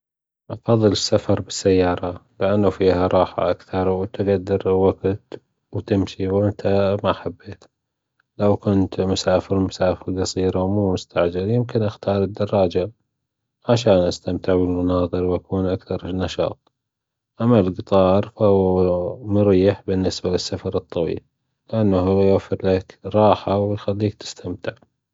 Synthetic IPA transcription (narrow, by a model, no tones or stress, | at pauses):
ʔɑfɑðˤːɨlɪsːafɑɾˤbɪsːajːɑːɾˤɑlɪʔanːafiːhaɾˤɑːħa̰ʔakθɑɾˤwt̪ɪɡad̪ːɪɾwaɡt̪ | wt̪ɪmʃiwʔɪnt̪ʰamaħabːeːt̪ | lawkʊnt̪mʊsaːfɪɾmʊsaːfɪɾɡɑsˤiːɾawmuːmʊst̪aʕd͡ʒaljɪmkɪnʔaxt̪ɑːɾˤɨd̪ːɑrˤːɑːd͡ʒa | ʕaʃaːnʔast̪amt̪ɪʕbəlmʊnɑːðˤɨɾwʔakuːnʔakθɑɾˤnːɑʃɑ̰ːt̪ˤ | ʔamːalɡɨt̪ˤɑːɾˤfahʊːmʊɾiːħbɪnːɪsbalɪsːafɑɾˤɨt̪ˤːɑwḭːl | lɪʔanːaɦʊwjwafːɪɾlakɾˤɑːħawjxalːiːk̚t̪ɪ̥st̪ʰamt̪ɪʕ